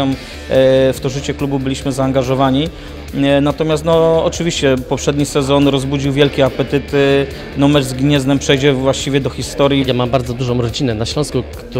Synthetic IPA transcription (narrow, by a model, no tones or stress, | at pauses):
am | ft̪ɔʐɘt͡ɕɛklububɘlʲiɕmɘzaːŋɡaʐɔvaɲi | nat̪ɔmʲjast̪nɔɔt͡ʂɘvʲiɕt͡ɕɛpɔpʂɛd̪ɲisɛzɔnɾɔzbud͡ʑiwvʲjɛlkʲɛapɛt̪ɘt̪ | nɔmɛɾzɡɲɛznɛmpʂɛjd͡ʑɛvwaɕt͡ɕivʲjɛd̪ɔxʲist̪ɔɾjijamambaɾd̪zɔd̪uʐɔ̃w̃ɾɔd͡ʑinɛnaɕlɔ̃w̃skukt̪